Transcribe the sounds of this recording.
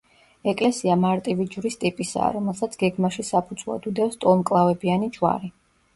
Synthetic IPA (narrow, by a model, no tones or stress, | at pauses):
ɛkʼlɛsiamaɾt̪ʼivid͡ʒuɾist̪ʼipʼisa̰ːɾɔmɛlˠsat̪sʰɡ̥ɛɡmaʃisapʰud̪z̥vlˠa̰d̪ud̪ɛfst̪ʼɔlˠmkʼlˠavɛbianit͡ʃʰwa̰ɾi